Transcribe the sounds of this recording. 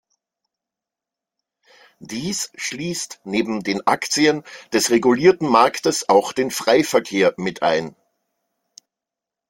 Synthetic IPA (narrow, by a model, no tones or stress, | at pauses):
d̥iːsʃliːstneːbm̩deːnʔa̰kt͡siənd̥ɛsʁeɡuliːɐtn̩maɐktəsaʊxd̥eːnfʁ̥aɪfɛɐkʰeːɐmɪtʰʔa̰ɪn